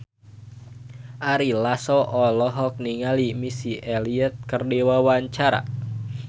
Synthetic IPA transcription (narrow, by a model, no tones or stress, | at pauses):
ʔaɾilasɔʔɔlɔɦɔk̚niŋalimisiʔɛliət̪̚kərdiwawaɲt͡ʃaɾa̰